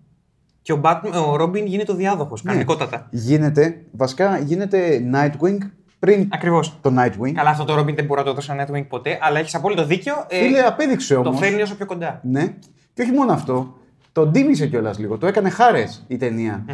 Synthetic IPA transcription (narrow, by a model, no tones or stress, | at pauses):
ceobɐt̪moɾobiŋʝinit̪eoðiɐðoxo̞skɐet̪iko̞t̪ɐt̪ɐʝine̞t̪̬e̞vɐsi̥kɐʝine̞t̪e̞nɐjt̪wiŋɡ | pɾinɐkɾivo̞st̪o̞nɐjt̪wiŋɡkɐlɐft̪o̞t̪oɾo̞biŋðeboɾuɐt̪oeðosenɐjt̪wiŋɡ̚po̞t̪e̞ʔɐlɐe̞çi̥sɐpolit̪o̞ðiceoleɐpe̞ðikseo̞t̪omofenio̞sopço̞ko̞nd̪ɐne̞ | ceo̞çimo̞noɐft̪o̞ | t̪o̞d̪imise̞ceo̞lɐzliɣo̞t̪oekɐne̞xɐɾe̞sit̪e̞niɐ